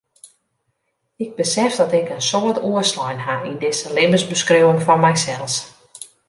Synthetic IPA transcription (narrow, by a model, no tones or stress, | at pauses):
ɪɡ̚bəsɛfdɔtɪkənsoətuəslɔjnhaindɪsəlɪbəsbəskrowənfɔnmɛjsɛlˠs